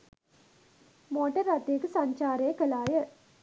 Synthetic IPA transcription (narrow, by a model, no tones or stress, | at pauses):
moːʈɐɾɐt̪ːiekːɯsɐɲt͡ʃaːɾeːkɐlaːjɐ